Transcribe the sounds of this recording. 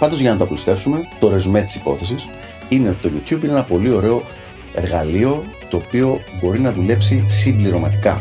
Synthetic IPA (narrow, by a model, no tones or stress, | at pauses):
pɐnd̪ozʝɐnɐt̪oɐplust̪e̞fsume̞t̪o̞ɾe̞zume̞t̪i̥si̥po̞̰θe̞sis | ine̞o̞t̪i̥t̪oʝut̪çubineenɐpo̞lio̞ɾe̞o̞ | e̞ɾɣɐlio̞t̪o̞ːpio̞bo̞ɾinɐðule̞psisimbliɾo̞mɐt̪i̥kɐ